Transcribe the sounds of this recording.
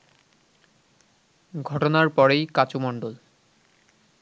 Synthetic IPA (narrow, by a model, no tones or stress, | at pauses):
ɡʱɔʈɔnaɹpɔɹejkat͡ɕomɔɳɖol